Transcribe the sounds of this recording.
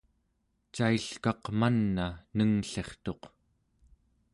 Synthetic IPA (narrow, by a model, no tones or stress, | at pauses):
t͡ʃaiɬkɑqmanːanəŋɬe̞χt̪o̞q